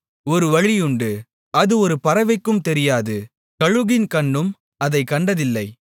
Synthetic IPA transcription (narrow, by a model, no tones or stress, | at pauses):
ɔɾɯʋɐɻɪjʊɳɖɯ | ɐðɯɔɾɯpɐɾɐʋɐɪkːɯmt̪ɛɾɪjaːðɯ | kɐɻɯɣɪnkɐɳːɯm | ɐðɐɪkːɐɳɖɐðɪlːɐɪ